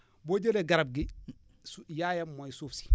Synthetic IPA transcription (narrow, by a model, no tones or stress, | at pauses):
bod͡ʒeleɡaɾab̚ɡi | sjajamoisufsi̥